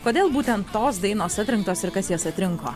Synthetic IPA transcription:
koːd̪ʲeːlˠbuːt̪ʲɛnt̪ːoːsd̪ɐɪnoːsɐt̪ʲɾʲɪŋk̚t̪oːsɪɾkɐsjoːsɐt̪ʲɾʲɪŋko̰ː

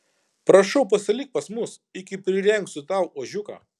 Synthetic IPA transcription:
pɾɐʃɐʊpɐsʲɐlʲikt̪̚pɐsmʊs | ɪkʲɪpʲɾʲɪɾʲɛŋk̪sʊt̪ɑˑʊoːʒʲʊka̰ː

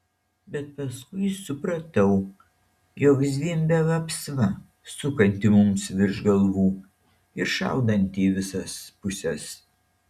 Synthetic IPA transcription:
bʲɛt̪̚pɐskʊɪsʊpɾɐt̪ɐʊ | joːkzʲʋʲiːmʲbʲɛʋɐpsʋɐ | sʊkɐnʲt̪ʲɪmʊmsʋʲɪɾʒɡɐlˠʋuː | ɪɾʃɑ̰ˑʊd̪ɐnʲt̪ʲiːʋʲɪsɐspʊsʲɛs

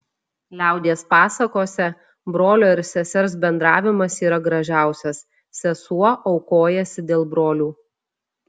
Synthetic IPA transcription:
lʲæˑʊd̪ʲeːspɑːsɐkoːsʲɛ | bɾoːlʲoːɪɾsʲɛsʲɛɾs̬bʲɛnd̪ɾɑːʋʲɪmɐsiːɾɐɡɾɐʒʲæˑʊsʲɛs | sʲɛsuɔʔɒʊkoːjɛsʲɪd̪ʲeːlˠbɾoːlʲuː

